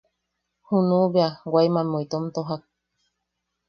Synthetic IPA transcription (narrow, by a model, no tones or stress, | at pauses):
hunũβeawajmãmoit̪omt̪oɦak̚